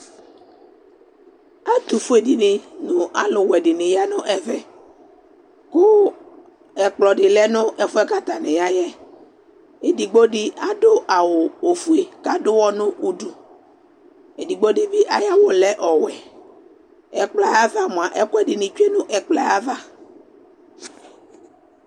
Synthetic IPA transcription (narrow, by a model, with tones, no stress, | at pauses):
a˦t̪u˨fu˦e˨dɪ˨nɪ˨nʊ̃˨a˦lʊ˨wɛ˨dɪ˨nɪ˨ja˦nʊ̃˦ʔɛ˨vɛ˦ | kʊ˦ | ɛ˨k͡plɔ˨dɪ˨lɛ˦nʊ̃˦ʔɛ˨fʊ˦ɛ˦ka˦t̪a˨nɪ̃˨ja˦jɛ˦ | e˨di˨ɡ͡bo˦dɪ˦a˦dʊ˦ʔa˨wʊ˨o˨fu˦e˨ka˦dʊ˦wɔ˦nʊ̃˦u˦du˨ | e˨di˨ɡ͡bo˦dɪ˦bɪ˦ʔa˨ja˦wʊ˨lɛ˦ʔɔ˨wɛ˨ | ɛ˨k͡pla˦ja˦va˦mʊ̃˨a˨ʔɛ˦kʊ˦ɛ˦dɪ˨nɪ˨t͡ʃu˦e˦nʊ̃˦ʔɛ˨k͡pla˦a˦va˦